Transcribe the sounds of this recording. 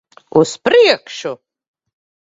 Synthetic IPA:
uspʰriɛkʰʂo

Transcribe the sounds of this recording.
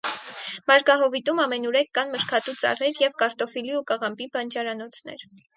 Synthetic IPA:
mɑɾkɑɦɔvit̪umɑmɛnuɾɛkːɑnməʃkʰɑt̪ut͡sɑ̰rɛɾjɛvkɑɾt̪ɔfiliukɑʁɑmpibɑnd͡ʒɑɾɑnɔt͡sʰnɛ̰ɾ

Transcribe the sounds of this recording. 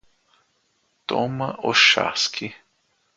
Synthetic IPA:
t̪oməʔoʃa̰skʰi

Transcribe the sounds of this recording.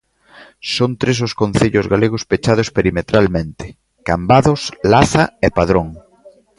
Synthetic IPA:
sont̪ɾes̬oskõnθeʎʊzɣaleɣʊspet͡ʃað̞ʊspeɾimet̪ɾalmẽnt̪ɪ̥ | kambaðʊslaθaepaðɾõŋ

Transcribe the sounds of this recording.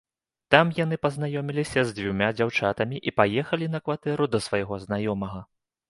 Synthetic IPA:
t̪amjan̪ɨpɐznajɔmʲilʲisʲɐzʲd͡zʲvʲumʲad͡zʲawt͡ʂat̪ɐmʲiʔipajɛxɐlʲin̪ɐkvat̪ɛɾud̪ɐsvajɣɔznajɔmɐɣɐ

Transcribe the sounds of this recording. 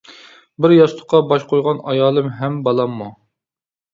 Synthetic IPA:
bɪɾjɑʃlˠʊ̥qːɑbɑʃqʰojʁɑnɑjɑːlˠɨmɦɛmbɑlˠɑmːu

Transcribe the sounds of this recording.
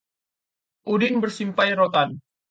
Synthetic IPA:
ʔudɪnbərsimpajɾot̪an

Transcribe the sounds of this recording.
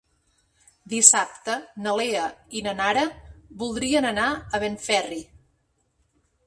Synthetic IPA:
d̪isap̚t̪ənəleəinənaɾəβulˠd̪ɾiənənaəβenfɛri

